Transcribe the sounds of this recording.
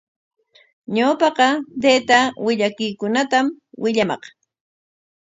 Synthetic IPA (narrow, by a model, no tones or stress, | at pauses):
ɲawpɑqɑd̪eːt̪awɪʎakʊjkʊnat̪am | wɪʎamɑ̰q